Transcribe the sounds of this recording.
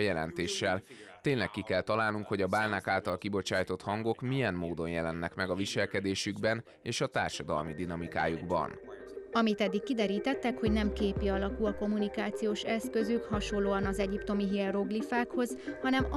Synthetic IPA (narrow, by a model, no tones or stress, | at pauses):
jɛlɛ̰nt̪eːʃːɛl | t̪eːnlɛkːikɛlt̪ɒlaːlnuŋkho̞ɟɒbaːlnaːkaːlt̪ɒlkibo̞t͡ʃaːjt̪o̞t̪hɒŋɡo̞kmijɛmːoːd̪o̞njɛlɛnːɛkmɛɡɒviʃɛlkɛd̪eːʃyɡbɛn | eːʃɒt̪a̰ːrʃɒd̪ɒ̰lmid̪inɒmika̰ːjuɡbɒ̰n | ɒmit̪ɛd̪ːikːid̪ɛɾiːt̪ɛt̪ːɛkho̞ɟnɛmkeːpiɒlɒkulɒko̞mːunikaːt̪sijoːʃɛskø̞zykhɒʃollːoːɒnɒzɛɟipt̪o̞miɦirro̞ɡlifaːkho̞zhɒnɛm